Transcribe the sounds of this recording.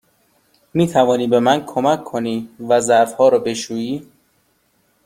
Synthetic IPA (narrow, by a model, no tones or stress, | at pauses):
miːt̪ʰævɒːniːbe̞mænkʰomækʰːoniːvæzæɾfhɒːɾɒːbe̞ʃuːjiː